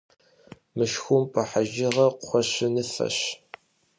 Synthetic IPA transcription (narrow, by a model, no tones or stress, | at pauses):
mɨʃxʷʊmpʰʼɐħaʒɪʁɐqxʷɔɕɪnɨfɐ̰ɕ